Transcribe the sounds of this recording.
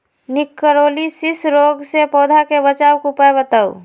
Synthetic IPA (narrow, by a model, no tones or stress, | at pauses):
nɪkːəɾoːlisisɾoɡsepɔːd̪ʱakebət͡ʃaːʋkupaebət̪əw